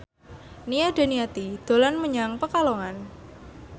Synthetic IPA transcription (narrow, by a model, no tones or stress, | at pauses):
nijad̥a̤niat̪id̪̥o̤lanməɲaŋpəkaloŋan